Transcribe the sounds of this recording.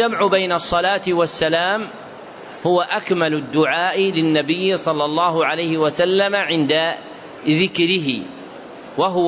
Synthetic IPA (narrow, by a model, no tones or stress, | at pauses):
amʕʊbajnɑsˤːɑlaːt̪ɪwasːalaːm | hʊwaʔakmalʊd̪ːʊʕaːʔlɪnːabɪjːsˤɑlːɑlˤːɑːɦʊʕalajhɪwasalːamaʕɪnd̪a | ðɪkɾɪɦɪ̰ | waɦʊ